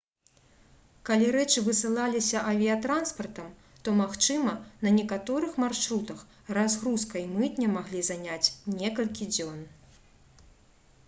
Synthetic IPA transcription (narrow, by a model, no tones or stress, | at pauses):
kalʲiɾɛt͡ʂɨvɨsɨlˠalʲisʲɐʔɐvʲiɐt̪ɾanspɐrt̪ɐm | t̪ɔmaxt͡ʂɨmɐnɐnʲɛkat̪ɔɾɨxmarʂɾut̪ɐx | razɣɾuskɐjmɨt̪ʲnʲɛmaɣlʲizanʲat͡sʲnʲɛkɐlʲkʲid͡zʲɔn